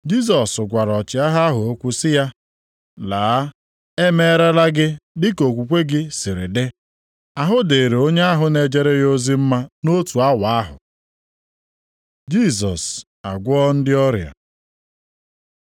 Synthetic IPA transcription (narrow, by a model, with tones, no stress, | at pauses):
d͡ʒi˦s̬ɔ˨sʊ˨ɡʷa˨ɾɔ˨t͡ʃɪ˨˦a˦ɦa˦ɦʊ˨o˦kʷu˦sɪ˦ja˦ | laː˨˦ | e˦me˦e˦ɾe˦la˦ɡɪ˦dɪ˦ko˨kʷu˨kʷe˦ɡɪ˦sɪ˨ɾɪ˨de˦ | a˦ɦʊ˦de˨ɾe˨o˦ɲe˦a˦ɦʊ˨ne˨d͡ʒe˦ɾe˦jo˦zi˦m̩˦ma˦no˦tu˨a˦wa˨a˦ɦʊ̰˨ | d͡ʒi˦s̬ɔ˨s | a̰˨ɡʷɔ˦n̩˦dɪ˦ɔ˦ɾja̰˨